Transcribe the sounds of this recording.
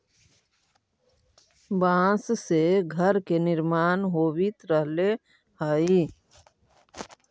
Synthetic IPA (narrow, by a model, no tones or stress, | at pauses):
bãːsseɡʱəɾkenɪɾmaːnɦoːwit̪ɾəɦle | haːi